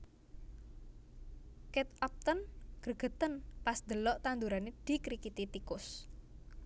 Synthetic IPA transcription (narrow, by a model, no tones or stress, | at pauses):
kɛt̪̚ɔp̚t̪ɔnɡ̥əɡ̥ə̤t̪ənpasd̪ə̤lɔʔt̪and̪uɾaned̪̥i̤kɾikit̪it̪ikʊs